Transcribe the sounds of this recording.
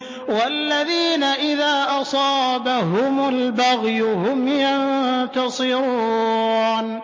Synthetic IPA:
walːaðiːnaʔɪðaːʔɑsˤɑːbahʊmalbaɣjʊhʊmjant̪ɑsˤɨɾuun

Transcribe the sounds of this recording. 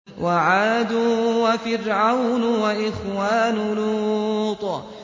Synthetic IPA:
wʔaʕaːd̪uwafɪrʕawnʊwaʔɪxwaːnʊluːt̪ˤ

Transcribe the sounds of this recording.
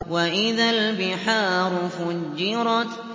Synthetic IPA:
waʔɪðalbɪħaːɾʊfʊd͡ʒːɪɾˤɑt̪

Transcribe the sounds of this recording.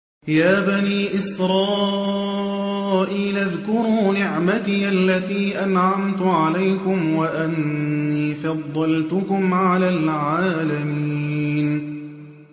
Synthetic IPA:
jaːbaniːʔɪsɾˤɑː | ʔiːlʔaðkʊɾuːnɪʕmat̪iːʔalːat̪iːʔanʕamt̪ʊʕalajkʊmwaʔanːiːfɑd̪ˤːɑlt̪ʊkʊmʕalaːlʕaːlamiiːn

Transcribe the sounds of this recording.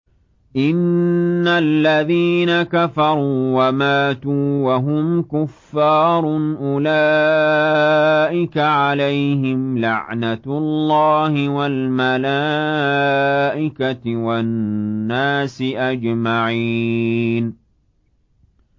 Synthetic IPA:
ʔɪnːalːaðiːnakafɑɾˤuːwamaːt̪uːwaɦʊmkʊfːɑːɾˤnʔʊlaː | ʔɪkaʕalajhɪmla̰ʕnat̪lːɑːhɪwalmalaː | ʔɪkaɪwanːaːsɪʔad͡ʒmaʕi | n

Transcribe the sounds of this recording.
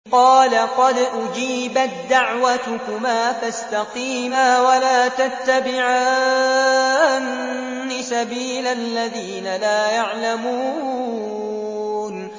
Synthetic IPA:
qɑːlaqɑd̪ʔʊd͡ʒiːbat̪̚d̪ːaʕwat̪ʊkʊmaːfast̪ɑqiːmaːwalaːt̪at̪ːabɪʕa | nː | ɪsabiːlallːaðiːnalaːjaʕlamuː | n

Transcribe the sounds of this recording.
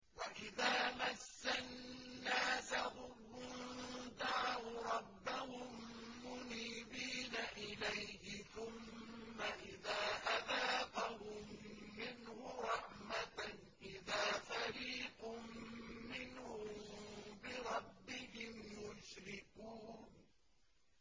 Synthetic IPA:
waʔɪðaːmasːanːaːsahʊm | d̪aʕwʊɾˤɑbːahʊmːʊniːbiːnaʔɪlajhɪθʊmːaʔɪðaːʔaðaːqahʊmːɪnhʊɾˤɑħmat̪ | ʔɪðaːfaɾiːqʊmːɪnhʊmbɪɾˤɑbːɪɦɪmjʊʃɾɪkuːn

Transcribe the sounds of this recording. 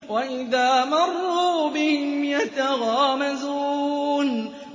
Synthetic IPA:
waʔɪðaːmɑrˤːuːbɪhɪmjat̪aɣaːmazuːn

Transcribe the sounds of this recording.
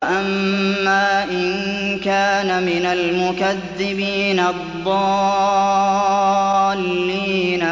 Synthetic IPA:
ʔamːaːʔɪnkaːnamɪnalmʊkaðːɪbiːnɑðˤːɑː | lːiːna

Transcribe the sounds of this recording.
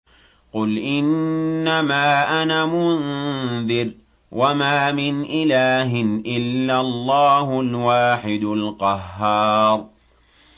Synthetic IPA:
qʊlʔɪnːamaːʔanamʊnðɪɾ | wʔamaːmɪnʔɪlaːɦɪnʔɪlːalˤːɑːhʊlwaːħɪd̪ʊlqɑɦːɑːɾˤ

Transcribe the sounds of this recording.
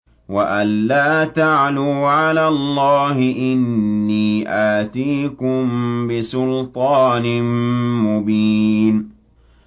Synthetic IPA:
waʔalːaːt̪aʕluːʕalaːllˤːɑːɦɪʔɪnːiːʔaːt̪iːkʊmbɪsʊlt̪ˤɑːnɪmʊbiːn

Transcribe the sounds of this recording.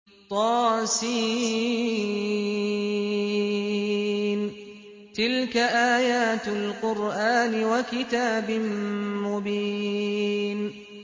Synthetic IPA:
t̪ˤɑːsiː | n | t̪ɪlkaʔaːjaːt̪alqʊɾʔaːnɪwakɪt̪aːbɪmmʊbiː | n

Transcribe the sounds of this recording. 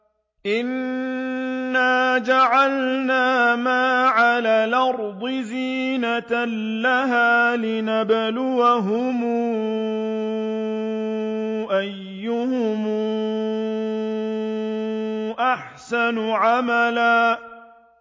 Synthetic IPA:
ʔɪn | aːd͡ʒaʕalnaːmaːʕalaːlʔɑɾˤd̪ˤɪziː | nat̪aː | aɦaːlɪnablʊwaɦʊmuː | ʔajːʊhʊmː | ʔaħsanʊʕamalaː

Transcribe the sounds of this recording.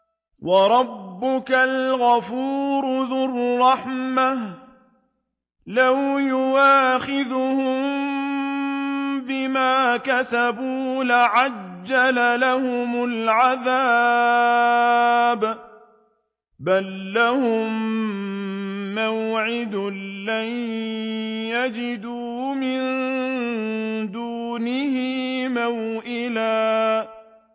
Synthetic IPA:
wɑɾˤɑbːʊkalɣafuːɾʊðʊrːɑħmah | lawjʊwaːxɪðʊhʊmm | bɪmaːkasabuːlaʕad͡ʒːalalahʊmʊlʕaðaː | b | balːahʊm | awʕɪd̪laj | jad͡ʒɪd̪uːmɪn | d̪uːnɪhɪmawʔɪlaː

